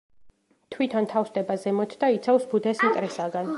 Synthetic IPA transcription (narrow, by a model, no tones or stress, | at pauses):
t̪ʰwit̪ʰant̪ʰafsd̪ɛbazɛmɔt̪ʰd̪ait̪sʰafsbud̪ɛsit̪ʼɾɛsaɡan